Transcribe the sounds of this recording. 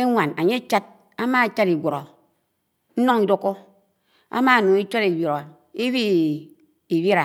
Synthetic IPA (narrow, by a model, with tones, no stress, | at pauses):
e˦ŋʷa˨na˨ɲe˦t͡ʃa˦t̚ | a˦ma˦˨˦t͡ʃa˦ɾi˨ɡʷo˨ɾo˨ | n̩˦no˦ŋi˨do˦ko˦ | a̰˦ma˦˨nu˨˦i˦t͡ʃo˦ɾi˨bji˨ɾo˨ | i˦βi˦ | i˨bi˦ɾa˨